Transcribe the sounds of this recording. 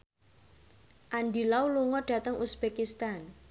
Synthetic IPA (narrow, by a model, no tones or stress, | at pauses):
ʔanɖilauluŋɔɖ̥a̤t̪əŋʔusb̥ekist̪an